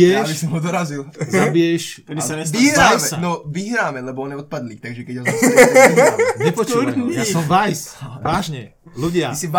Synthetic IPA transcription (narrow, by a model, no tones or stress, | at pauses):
ɛbisɔmɦud̪ɔɾazilzabijɛʃɛd̪isaɲɛiɦɾaɛanɔʋiɦɾaːmɛlɛbɔɔnɛɔt̪̚pad̪lit̪aɡʒɛkɛɟɔn | ɲɛpɔt͡ʃkuisɔmvajsaːʒɲɛ | luɟɪaisiʋ